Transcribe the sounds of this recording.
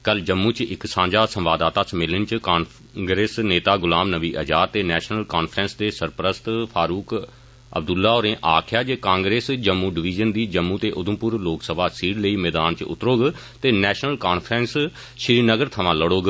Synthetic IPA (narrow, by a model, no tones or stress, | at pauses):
kəld͡ʒəmːũːt͡ʃɪksãːɲd͡ʒaːsə̃mʋaːd̪aːt̪aːsəmɪlɪnt͡ʃkaːn | ɡɾeːsneːt̪aːɡʊlaːmnəʋiːʔəd͡ʒaːɾt̪eːnɛːʃnəlkaːnpʰɾɛ̃nsd̪eːsəɾpɾəst̪pʰaːɾuːk | ə̰b̚d̪ʊlːaːoːɾẽːʔaːkʰɪjaːd͡ʒekãːŋɡɾeːsd͡ʒəmːũːɖɪʋiːd͡ʒənd̪iːd͡ʒəmːũːt̪eːʔʊd̪ʊmpʊɾloːksəbʱaːsiːɽləiːmɛːd̪aːnt͡ʃʊ̰t̪ːɾoːɡ | t̪eːnɛːʃnəlkaːnpʰɾɛns | ʃɾiːnəɡəɾt̪ʰəʋãːləɽoːɡ